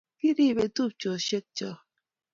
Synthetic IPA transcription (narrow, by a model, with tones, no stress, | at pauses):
ki˦ɾi˦˨be˨tu˦p̚t͡ʃo˨ʃe˦k̚t͡ʃɔ˨